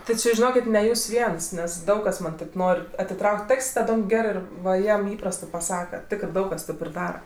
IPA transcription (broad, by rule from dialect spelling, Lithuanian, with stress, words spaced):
tʲɪ ˈt͡ʃʲɪ ʒʲɪˈnoːkʲɪt nʲɛ ˈjuːs ˈʋʲiɛns nʲɛs ˈdɐʊk kɐs ˈmɐnʲ tʲeːp ˈnoːrʲ ɐtʲɪˈtrɐʊkʲtʲ ˈɐksʲ tɐˈdoːm ˈɡʲæːrɜ ɪr ˈʋɐ ˈjɛm ˈiːprɐstɜ pɐˈsɑːkɐ ˈtʲɪkrɜ ˈdɐʊk kɐs ˈtʲeːp ɪr ˈdɑːrɐ